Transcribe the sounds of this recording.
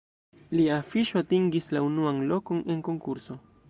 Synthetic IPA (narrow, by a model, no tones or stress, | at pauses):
liafiʃoatiŋɡislaunuanlo̞ko̞ne̞ŋko̞ŋkuɾso̞